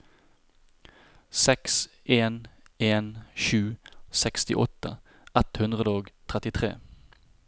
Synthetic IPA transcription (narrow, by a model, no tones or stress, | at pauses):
sɛks | eːneːnʃʉːsɛkst̪ɪʔɔt̪ə | ɛt̪hʉnd̪ʁəd̪əoːɡt̪ʰʁɛt̪ɪt̪ʰʁḛː